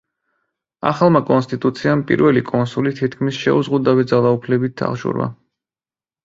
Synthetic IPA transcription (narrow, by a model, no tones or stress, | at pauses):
a̰χalˠmakʼɔnst̪ʼit̪ʼut̪sʰiampʼḭɾvɛlikʼɔnsulit̪ʰit̪kʰmisʃɛ̰uzʁud̪awɛd̪zalˠaupʰlɛbit̪̚d̪a̰χʒṵɾwa̰